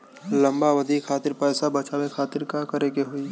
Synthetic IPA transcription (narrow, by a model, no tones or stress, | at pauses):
lɐ̃mbaʋɐd̪ʱikʰaːt̪ɪɾpɛːsabɐt͡ʃawekʰaːt̪ɪɾkakɐɾeɡeɦʊi